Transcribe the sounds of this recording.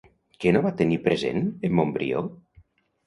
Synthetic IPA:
kenoβat̪enipɾezḛnemːombɾḭo̰

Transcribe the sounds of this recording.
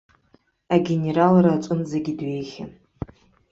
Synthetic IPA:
aɡʲene̞ɾalrat͡ʃʷʼʊnzaɡʲidɥe̞jχʲan

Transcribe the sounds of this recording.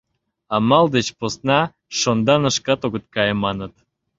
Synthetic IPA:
ɑmɑld̪et͡ɕposnɑ | ʃond̪ɑnəʃkɑt̪oɣət̪̚kɑjĕmɑnə̆t̪̚

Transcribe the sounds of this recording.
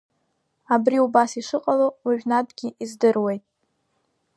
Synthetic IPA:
abɾiubasiʂɨqʼalowiʒᶣnadɡʲiizdɨrwe̞jtʼ

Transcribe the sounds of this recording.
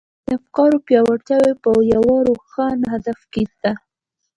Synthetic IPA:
d̪əafkɑɾopjɑwat͡ʃawepəjawɑɾoxanɦad̪afket̪a

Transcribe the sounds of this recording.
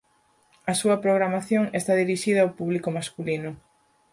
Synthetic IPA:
ɐsuɐpɾoɣɾamaθjoŋest̪aðiɾiʃiðɐawpuβlikomaskulinʊ

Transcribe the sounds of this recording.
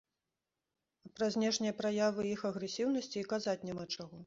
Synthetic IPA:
pɾɐzʲnʲɛʂnʲijɐpɾajavɨixɐɣɾɛsʲiwnɐsʲt͡sʲiːkazat͡sʲnʲɛmat͡ʂaɣɔ

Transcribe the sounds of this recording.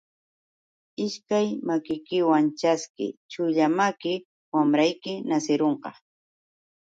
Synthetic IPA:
ɪʃkajmakɪjkɪwant͡ʃaskɪ̰t͡ʃʊʎamakɪ | wamɾajkɪnasɪɾoɴqɑ̰

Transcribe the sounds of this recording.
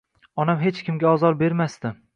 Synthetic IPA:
ɒnamɦe̞t͡ʃkʲɪmɡʲaɒzɒɾbe̞ɾmast̪ɪ

